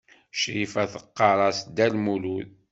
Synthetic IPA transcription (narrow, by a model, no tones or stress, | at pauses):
ʃɾifæθə̥qːɑɾˤɑsd̪ælmuluð